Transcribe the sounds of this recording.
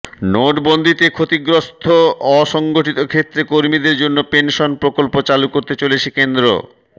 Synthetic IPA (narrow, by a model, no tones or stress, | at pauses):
noʈbond̪ʱit̪ekʰot̪iɡɾost̪ʰoɔʃɔŋɡoʈit̪okʰet̪ːɾekoɾmid̪eɾd͡ʑonːopenʃonpɾokolpot͡ɕalukoɾt̪et͡ɕolet͡ɕʰekend̪ɾo̰